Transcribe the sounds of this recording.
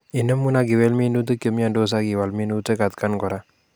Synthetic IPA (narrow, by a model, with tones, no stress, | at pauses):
i˨nə˦mːu˦naɡi˨we˦lmi˦nu˦t̪ə˦kə˨mi˦a˦ndo˦s̬aɡi˨wa˨lmi˦nu˦tə˦ka˨t̪ka˦nkɔɾa˦